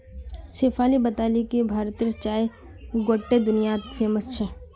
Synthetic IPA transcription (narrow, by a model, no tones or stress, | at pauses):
seːfaːlibɐt̪aːlikibʱaːɾt̪iːɾət͡ʃaːe | ɡoːʈːed̪ʊnijat̪fʰeːməst͡ʃʰɛː